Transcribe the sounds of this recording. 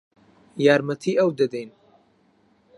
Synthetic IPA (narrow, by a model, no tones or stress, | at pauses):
jaːɾmɐt̪ʰiːʔɐwd̪ɐd̪ejn